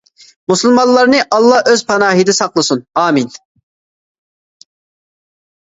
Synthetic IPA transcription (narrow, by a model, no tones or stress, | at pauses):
musɨlˠmɑnlˠːɑɾnɨʔɑlˠːɑʔøzpʰɑnɑːɦid̪ɛsɑqlˠɨsunɑːmin